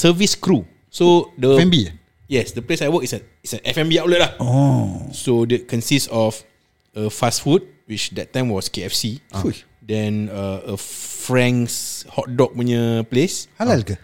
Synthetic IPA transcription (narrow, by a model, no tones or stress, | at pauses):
səviskɾu | sodəɛ̃mbi | jɛsdəplesajwəkisə | isəʔɛfɛ̃mbiawlətlahɔsodɛt̚kɔ̃nsistsɔf | əfasfut̚ | wit͡ʃdɛt̚ːãɪ̃mwɔskeɛfsiu | dɛ̃nəəfɹɛ̃ŋshɔt̚dɔk̚wəɲəpleshalalkə